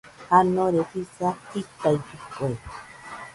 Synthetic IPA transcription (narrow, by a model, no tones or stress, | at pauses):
hanoɾehisahit̪ajkike